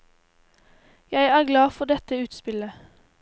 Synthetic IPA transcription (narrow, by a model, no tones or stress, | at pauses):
jæɪæːɡlɑːfɔɖ̪ɛt̪əʉːt̪spɪlə